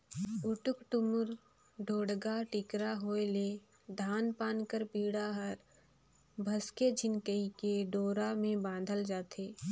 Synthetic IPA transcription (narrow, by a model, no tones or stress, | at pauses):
ʊʈʊkʈʊmʊɾ | ɖʱoːɽɡaʈɪkɾaɦoːele | d̪ʱaːnpaːnkəɾpiːɽaɦəɾ | bʱəsked͡ʒʱɪnkəikeɖoːɾamẽbãːnd̪ʱəld͡ʒaːt̪ʰeː